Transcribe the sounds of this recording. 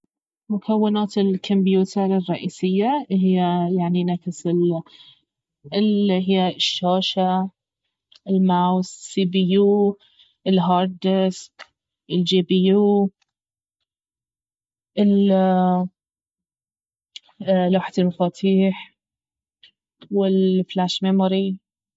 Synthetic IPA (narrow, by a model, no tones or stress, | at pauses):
mʊkawːɪnaːt̪ɪlkʰʊmbjuːt̪ʰɪɾˤɪrˤːɑʔiːsɪjːaɦɪjːajaʕninafɪsɪl | ɪɦɪjːaɪʃːaːʃa | ʔɪlmawssiːbijuː | ʔɪlɦɑːɾˤd̪ɪsk | ʔɪld͡ʒiːbijuː | ʔɪl | laːħat̪ɪlmafaːt̪ʰiːħ | wɪlflaːʃmemʊɾi